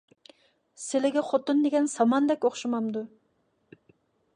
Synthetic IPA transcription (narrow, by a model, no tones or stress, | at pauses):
selɪɡʲɛχot̪und̪eɡʲɛnsɑmɑnd̪ɛkʲoχʃumɑmd̪u